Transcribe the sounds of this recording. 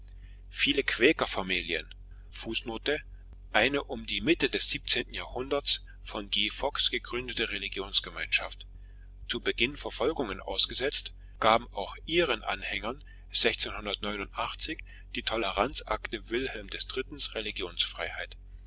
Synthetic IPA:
fiːləkʰv̥ɛːkɐfamiːljə̰n | fuːsnoːtə | ʔaɪnəʔʊmdiːmɪtədɛsz̥iːp̚t͡seːntn̩jaːɐhʊndɐts | fɔnɡiːfɔksɡ̥əɡʁʏndətəʁeliɡjoːnsɡ̥əmaɪnʃaft | t͡suːbəɡɪnfɛɐfɔlɡʊŋənʔa̰ʊsɡ̥əzɛt͡st | ɡ̥aːbm̩aʊxʔiːʁənʔa̰nhɛŋɐn | z̥ɛçt͡seːnhʊndɐtnɔʏnʊntʔaχt͡sɪç | d̥iːtʰɔləʁant͡sʔa̰ktəvɪlhɛlmdɛsd̥ʁɪtn̩sʁeliɡjoːnsfʁ̥a̰ɪhaɪt

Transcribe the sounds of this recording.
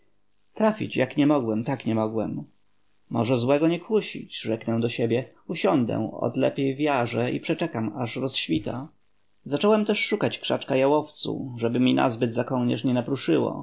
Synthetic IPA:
t̪ɾafʲḭt͡ɕjakɲɛmɔɡwɛmt̪akɲɛmɔɡwɛmː | ɔʐɛzwɛɡɔɲɛkwuɕḭt͡ɕʐɛknɛw̃d̪ɔɕebʲjɛ | uɕɔnd̪ɛ̰w̃ɔ̰d̪lɛpʲjejvʲjaʐɛḭpʂɛt͡ʂɛkamaʂɾɔsɕfʲit̪a̰ | zat͡ʂɔwɛmt̪ɛʂːukat͡ɕkʂat͡ʂkajawɔft̪sṵʐɛbɘmʲina̰zbɘd̪zakɔŋɲɛ̰ʂɲɛnapɾuʂɘwɔ̰

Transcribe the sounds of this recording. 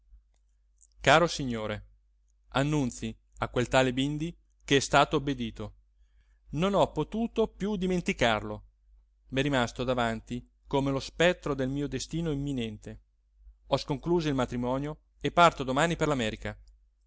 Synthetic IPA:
kaːɾosiɲːoːɾe | anːunt̪si | akːwelt̪aːlebind̪i | keɛst̪aːt̪oːbːed̪iːt̪o | nonɔpːot̪uːt̪opjud̪iment̪ikarlo | mɛrimast̪od̪avant̪i | komelospɛt̪ːɾod̪elmiːod̪est̪iːnoimːinɛnt̪e | ɔskoŋkluːzoilmat̪ɾimɔːnjo | epːart̪od̪omaːniperlamɛːɾika

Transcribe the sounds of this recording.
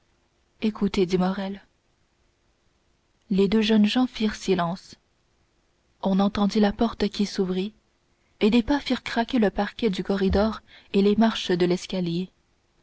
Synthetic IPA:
ekut̪ed̪imɔʁɛl | led̪øʒənʒɑ̃fiʁsilɑ̃s | ɔ̃nɑ̃t̪ɑ̃d̪ilapɔʁt̪kʲisuvʁi | ed̪epafiʁkχakʲeləpaʁkʲɛd̪ykɔʁid̪ɔːʁelemaʁʃəd̪əlɛskʲalje

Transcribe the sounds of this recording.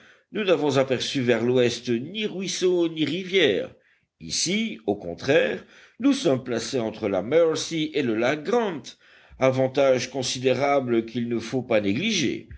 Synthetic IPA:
nunavɔ̃zapɛʁsyvɛʁlwɛst̪niʁɥisoniʁivjɛːʁ | ḭsiokɔ̰̃t̪χɛːʁ | nusɔmplaseɑ̃t̪χəla̰mœʁsiʔeləlaɡʁɑ̃nt̪ | avɑ̃t̪aʒkɔ̃sid̪eʁabləkilnəfopaneɡliʒḛ

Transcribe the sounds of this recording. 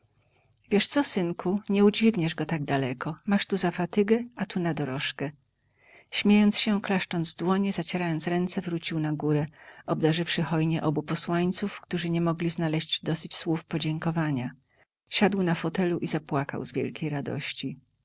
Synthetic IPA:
vʲjɛʂt̪sɔsɘnkʰuɲɛud͡ʑvʲiɡɲɛʐɡɔt̪aɡ̚d̪alɛkɔmaʂt̪uzafat̪ɘɡɛat̪unad̪ɔɾɔʂkɛ | ɕmʲjejɔnt̪sɕɛklaʂt͡ʂɔnd̪zd̪wɔɲɛzat͡ɕeɾajɔnt̪sɾɛnt̪sɛvɾut͡ɕiwnaɡuɾɛɔb̚d̪aʐɘfʂɘxɔjɲɛʔɔbupɔswaɲt̪sufkt̪uʐɘɲɛmɔɡlʲiznalɛɕd͡ʑd̪ɔsɘt͡ɕswufpɔd͡ʑɛŋkɔvaɲa | ɕad̪wnafɔt̪ɛluʔizapwaka̰wzvʲjɛ̰lkʲejɾad̪ɔ̰ɕt͡ɕi

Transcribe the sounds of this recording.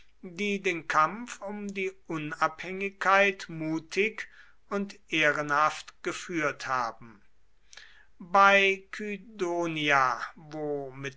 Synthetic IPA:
diːdeːnkʰamfʊmdiːʔʊnaphɛŋɪkʰːaɪtmuːtʰɪk | ʊntʔeːʁənhaftɡ̥əfyːɐthaːbm̩ | baɪkʰydoːniavoːmɪt

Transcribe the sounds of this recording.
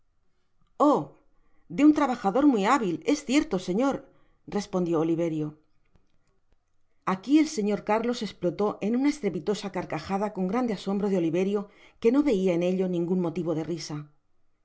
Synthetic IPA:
o̞ | d̪eunt̪ɾaβaxaðo̞ɾmwiaβile̞sθje̞ɾt̪o̞se̞ɲo̞ɾ | re̞spond̪jo̞ːliβ̞e̞ɾjo̞ | akielse̞ɲo̞ɾkaɾlo̞se̞splo̞t̪o̞ʔe̞nunae̞st̪ɾe̞pit̪o̞sakaɾkaxaðako̞ŋɡɾand̪e̞aso̞mbɾo̞ðeo̞liβe̞ɾjo̞ke̞no̞βe̞iae̞ne̞ʎo̞nĩŋɡunmo̞t̪iβo̞ð̞e̞risa

